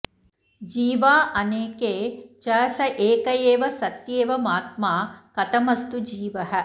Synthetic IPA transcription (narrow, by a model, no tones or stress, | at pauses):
d͡ʒiːʋaːʔɐneːkeːt͡ʃɐːsɐʔeːkɐjeːʋɐsɐt̪jeːʋɐmaːt̪̚maːkɐt̪ɐmɐst̪ud͡ʒiːʋɐɦɐ̆